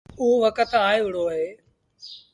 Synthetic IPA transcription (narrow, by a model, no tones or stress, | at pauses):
uːʋəkət̪aːeʊɽ̤oːɦeː